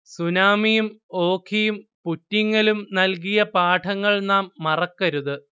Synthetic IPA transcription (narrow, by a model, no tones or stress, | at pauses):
sunaːmijumo̞ːkʰijumputːiŋːɐlumnɐlk̬ijɐpaːʈʰɐŋːɐɭnaːmːɐrɐkːɐɾuðɨ